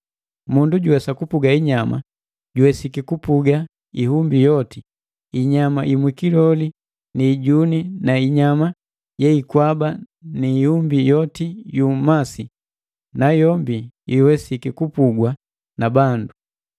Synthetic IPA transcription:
munduɟuwɛsakupuɡaiɲama̰ | ɟuwɛsikikupuɡa | iɦumbijɔti | iɲamaʔimwikilɔli | niːɟuninaiɲama | jɛikwaba | niːhumbijɔtijumasi | najɔmbi | iwɛsikikupuɡwa | nabandu

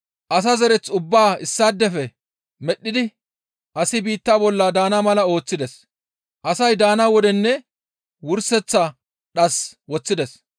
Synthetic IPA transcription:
ʔɐs̬azɛɾɛt͡sʊbːaːɪsːaːd̪ːɛfɛ | mɛɗːɪd̪ɪ | ʔɐsɪbiːt̪ːaːbɔlːaːd̪aːnamɐlɐo̞ːt͡sːɪd̪ɛs | ʔɐsɐjd̪aːnawɔd̪ɛnːɛ | wʊɾsɛt͡sːa | ɗɐswɔt͡sːɪd̪ɛs

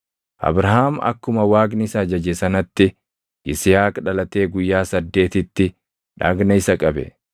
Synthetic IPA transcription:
ʔɐ̰bɾɐɦaːmɐ̰kːʊmɐwaːɡnɪsɐd͡ʒɐd͡ʒesɐnɐt̪ːɪ | ʔɪsɪjaːkᶑɐlɐt̪e̞ːɡʊjːaːsɐd̪ːe̞ːt̪ɪt̪ːɪ | ᶑaːɡnɐɪsɐkʼɐbɛ̰

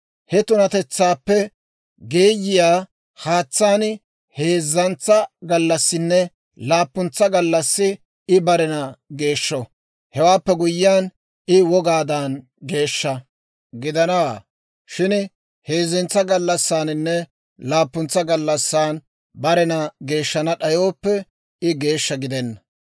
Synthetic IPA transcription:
hɛt̪ʊnɐt̪ɛt͡sːaːpːɛ | ɡeːjɪjaː | haːt͡sːaːn | he̞ːzːɐnt͡sɐɡɐlːɐsːɪnːɛ | laːpːʊnt͡sːɐɡɐlːɐsːɪ | ɪbɐɾɛnɐɡe̞ːʃːɔ | hɛwaːpːɛɡʊjːɪjaːn | ɪwɔɡaːd̪an | ɡe̞ːʃːɐ | ɡɪd̪ɐnɐwa̰ː | ʃɪn | he̞ːzːɪnt͡sːɐɡɐlːɐsːaːnɪnːɛ | laːpːʊnt͡sːɐɡɐlːɐsːaːn | bɐɾɛnɐɡe̞ːʃːɐnɐɗɐjo̞ːpːɛ | ɪɡe̞ːʃːɐɡɪd̪ɛnːɐ

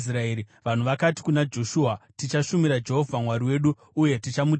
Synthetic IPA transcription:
sraeːɾiʋan̤uʋakati̥kunad͡ʒo̞ʃuːatit͡ʃaʃumiɾad͡ʒe̞ɦo̞vʱamwaɾiwe̞ːɗuː | je̞tit͡ʃamu

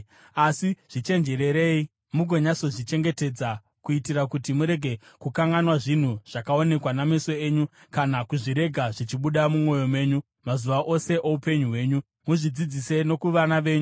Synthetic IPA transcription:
asiʐ̥it͡ʃe̞nd͡ʒe̞ɾe̞ɾe̞i | muɡʱo̞ɲaso̞ʐit͡ʃe̞ŋɡe̞te̞d͡za | kuitiɾakutimuɾe̞ɡʱe̞kukaŋɡanwaʐin̤uʐ̥akao̞ne̞kwanameso̞eːɲu | kanakuʐiɾe̞ɡʱaʐit͡ʃiɓuɗamumo̞jo̞me̞ːɲu | mazuʋaʔo̞se̞ʔoupe̞ɲuɦwe̞ːɲu | muʐid͡zid͡zise̞no̞kuʋanaʋe̞ːɲu

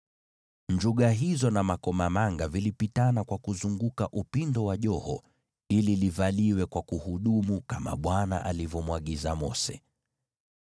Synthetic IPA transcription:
ɲd͡ʒuɠaɦizɔnamakɔmamaŋɡavilipitanakwakuzuŋɡukaʔupindɔwaʄɔhɔ | ililivaliwɛkwakuhuɗumukama̰ɓwana̰ʔalivɔmwaɠizamɔ̰sɛ̰

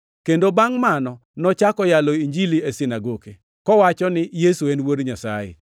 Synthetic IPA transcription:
kendobaŋmanɔ | nɔt͡ʃakɔjalɔiɲd͡ʒiliesinaɡoke | kɔwat͡ʃɔnɪjesuenwoɾɲasa̰jḛ

